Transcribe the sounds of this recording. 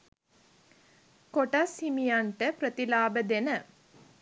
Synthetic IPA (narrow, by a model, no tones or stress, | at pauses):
koʈashimijaɳʈəpɾət̪ilaːbəd̪enə